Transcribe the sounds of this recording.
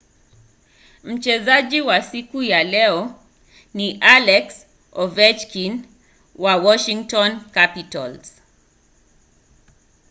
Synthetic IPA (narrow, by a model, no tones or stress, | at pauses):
m̩t͡ʃɛzaʄiwasikujalɛɔ | niʔalɛks | ɔvɛt͡ʃkin | wawɔʃiŋtɔnkapita̰lz̥